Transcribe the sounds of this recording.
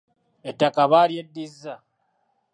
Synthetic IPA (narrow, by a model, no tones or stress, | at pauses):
etːakaβaɾjedːizːa